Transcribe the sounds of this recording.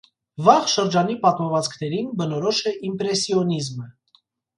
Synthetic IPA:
vɑʁʃəɾd͡ʒɑnipɑt̪mɔvɑt͡skʰnɛɾinbənɔɾɔʃɛʔimpɾɛsiɔnizmə

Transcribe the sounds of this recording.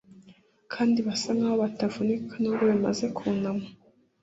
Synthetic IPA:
kʰaːndiβasaŋɡaːβoβatavunikʰanuɡoβima̰ze̞kʰuːnamo

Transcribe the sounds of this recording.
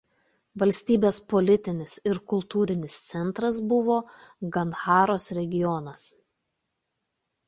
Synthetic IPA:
ʋɐlʲsʲt̪ʲiːbʲeːspɔlʲɪt̪ʲɪnʲɪsɪɾkʊlˠt̪uːɾʲɪnʲɪst̪sʲɛnˑt̪ɾɐsbʊʋoːɡɐnxɑːɾoːsɾʲɛɡʲɪjɔnɐs

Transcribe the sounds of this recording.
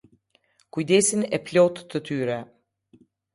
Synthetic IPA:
kujd̪ɛsinɛplɔt̪ːət̪yɾɛ

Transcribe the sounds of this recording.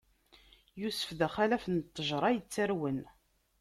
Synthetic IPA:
jusə̥fðæχælæfənt̪ˤːəʒɾˤɑjət͡sːæɾwən

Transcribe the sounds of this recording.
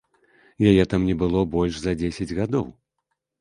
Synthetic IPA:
jajɛt̪amnʲɛbɨlˠɔbɔlʲʂzɐd͡zʲesʲɐd͡zʲɣad̪ɔw

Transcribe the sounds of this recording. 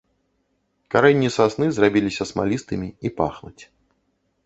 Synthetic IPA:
kaɾɛnʲːisasnɨzrabʲilʲisʲɐsma̰lʲist̪ɨmʲiipa̰xnut͡sʲ

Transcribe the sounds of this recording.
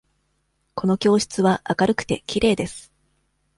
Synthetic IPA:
ko̞no̞kʲo̞ːɕi̥t͡sɨβaʔakaɾɯ̟kɯ̟̥t̪e̞kʲiɾe̞ːd̪e̞sɨ̥

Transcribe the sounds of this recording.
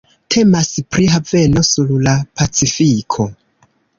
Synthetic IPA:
tʰe̞maspɾiɦave̞no̞suɾlapat͡sifikʰo̞

